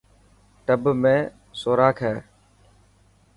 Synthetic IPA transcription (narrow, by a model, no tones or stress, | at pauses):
ʈəbmẽː | soːɾaːkʰɛː